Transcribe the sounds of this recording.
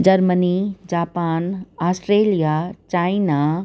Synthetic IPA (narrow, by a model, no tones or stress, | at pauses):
d͡ʑɐɾmənid͡ʑaːpaːnaːsʈɾeːlijat͡ɕaːina